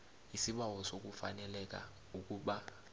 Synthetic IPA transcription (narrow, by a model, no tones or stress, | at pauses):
isiɓawɔsok̬ufa̰nɛlɛk̬a̰ | uk̬ʼuɓa